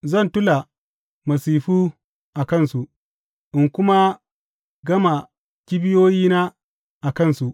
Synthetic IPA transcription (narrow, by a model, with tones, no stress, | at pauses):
zɐ˦˨ntʊ˦la˨ | mɐ˨siː˨ɸuː˦ | ʔa˨kɐ˦˨nsu˨ʔ | ʔɪ˨ŋkʷʊ˦ma˦ | ɡɐ˦ma˨ | kʲɪ˦bɪ˦joː˦jiː˦naː˦ | ʔa˨kɐ˦˨nsu˨ʔ